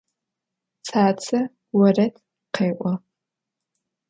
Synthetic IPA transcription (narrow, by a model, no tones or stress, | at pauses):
t͡sʰaːt͡sʰɐ | wɐrɐtʰ | qeːʔʷɔ